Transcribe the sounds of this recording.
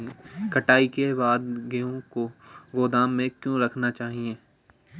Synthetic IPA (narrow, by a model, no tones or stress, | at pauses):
kɐʈaːikebaːd̪ɡɐjõkoɡoːd̪aːmːẽkjõɾɐkʰnat͡ʃaːɦieː